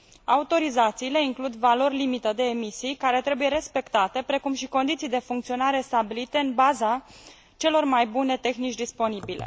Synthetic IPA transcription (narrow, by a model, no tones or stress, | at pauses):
aut̪o̞ɾizat̪siːle̞iŋklud̪valo̞rʲlimit̪əd̪e̞ːmisijkaɾe̞t̪ɾe̞buje̞ɾe̞spe̞kt̪at̪e̞pɾe̞kumʃiko̞nd̪it̪sijd̪e̞fuŋkt̪sio̞naɾe̞st̪abilit̪e̞ɨnbaza | t͡ʃe̞lo̞rmajbune̞t̪e̞xnit͡ʃʲd̪ispo̞nibile̞̰